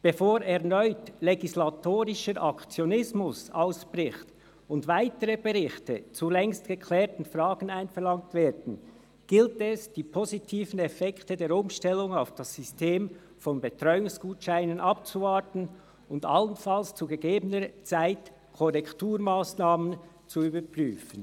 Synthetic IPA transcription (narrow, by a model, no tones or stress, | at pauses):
b̥efoːɾɛɐnɔʏtleɡislatʰoːɾɪʃəɾʔakt͡sjonɪsmʊsaʊsb̥ʁɪxt | ʊndvaɪtəɾəbeʁɪxtət͡sulɛŋstɡ̥əkʰlɛːtn̩fraːɡ̥n̩aɪnfɛʁlɑŋktv̥eːdn̩ | ɡ̥ɪltɛsd̥iːpʰozitʰiːfən̩ɛfɛktədeːɾʊmʃtɛlʊŋaʊfd̥asːʏsteːm | fɔnbetɾɔʏʊŋsɡ̥uːtʃaɪnənʔap̚t͡suvatn̩ | ʊnda̰lənfalst͡suɡəɡeːbənət͡saɪt | kʰɔʁɛktuːɾmaːsnaːmən | t͡suyːbəpʁyːfən